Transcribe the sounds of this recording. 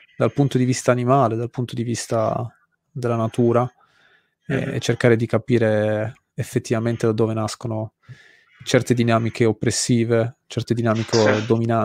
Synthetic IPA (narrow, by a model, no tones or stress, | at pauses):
d̪alpunt̪od̪ivist̪aːnimaːled̪alpunt̪od̪ivist̪a̰ | d̪elːanat̪uːɾa | ɛ̰ɛ̰t͡ʃːerkaːɾed̪ikapiːɾeː | fːet̪ːivament̪ed̪ad̪ːoːvenaskono | t͡ʃɛrt̪ed̪inaːmikʰeopːɾesːiːvet͡ʃɛrt̪ed̪inaːmiked̪omina